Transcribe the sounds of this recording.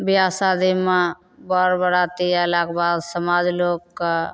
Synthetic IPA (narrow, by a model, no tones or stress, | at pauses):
bɪjaːsaːd̪ima | bɔɾbəɾaːt̪ialakbaːd̪səmaːd͡ʒloːkː